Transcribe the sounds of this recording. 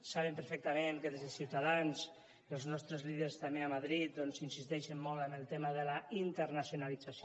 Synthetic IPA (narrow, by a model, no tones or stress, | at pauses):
saβəmpəɾfɛk̚t̪əmenkəðezəsiwt̪aðans | əlˠznɔst̪ɾəzlið̞əɾst̪ameamaðɾit̪̚d̪ɔnsinsist̪ɛʃəmːɔlˠt̪əmbəlˠt̪eməðəlaint̪əɾnasjunalid͡zas